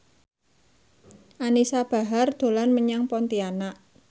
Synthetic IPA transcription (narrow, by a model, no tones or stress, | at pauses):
ʔanisab̥a̤ɦard̪̥o̤lanməɲaŋpɔnt̪ianaʔ